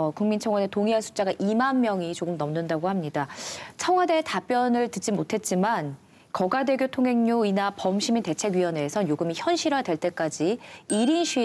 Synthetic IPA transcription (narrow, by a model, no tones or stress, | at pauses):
kuŋmint͡ɕʰʌŋɦwade̞toŋiɦansʰu̥t͡ɕ͈aɡaʔimanmjʌŋit͡ɕoɡɯmnʌmnɯndaɡohamɲidat͡ɕʰʌŋwade̞tap͈jʌnɯɭtɯt͡ɕ͈imotʰe̞t̚t͡ɕ͈iman | kʌɡadwe̞ɡjotʰoŋɦe̞ŋɲoinapʌmɕʰiminte̞t͡ɕʰe̞ɡɥiwʌne̞ːsʰʌnjoɡɯmiçjʌnɕʰiɾadwe̞ɭt͈e̞k͈ad͡ʑiiɾinɕʰɥi